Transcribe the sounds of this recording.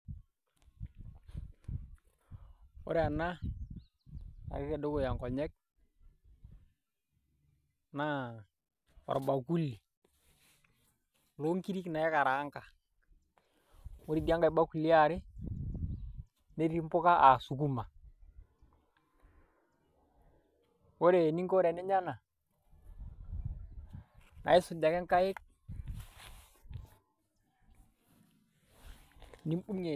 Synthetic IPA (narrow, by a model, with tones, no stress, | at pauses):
o̰˦ɾe˦a˨na˦ | a̰˨ɾɪ˦ɾe˨do˦ko˨ja˨ŋkɔ˨ɲɛ˦k̚ | na˦ | wɔ̰˨ɾba˨ku˦lːi˨ | lo˦ŋki˦ɾi˦kna˨jɛ˦ka˨ɾa˨˦ŋka˨ | o˦ɾi˨di˦a˦ŋɡa˨i˦ba˦ku˨li˦a˨ɾɪ˦ | ne˦ɾi˦mpo˦ka˦ʔa˨su˨ku˦ma˨ | wo˦ɾe˨ni˦ŋko˦ɾɛ˨ne˦ɲa˦na˨ | na̰˨ji˦su˨d͡ʒa˨kɛ˦ŋka˦je˦k̚ | ni˦m˦bu˦ɲe˨